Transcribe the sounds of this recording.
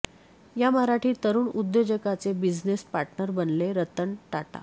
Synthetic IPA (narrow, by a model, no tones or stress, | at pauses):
jaməɾaʈʰiːt̪əɾuːɳud̪ːjod͡ʑəkat͡sebid͡znespaɾʈnəɾbənleɾət̪əɳʈaʈa̰